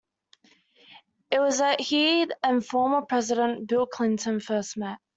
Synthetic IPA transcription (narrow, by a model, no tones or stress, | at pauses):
ɪʔ̚wɒzəʔhiːdə̃nfɔːməpʰɹ̥ɛzɪɾə̃nb̥ɪlˠkʰl̥ɪ̃ntʰə̃nfɜˑsmɛʔ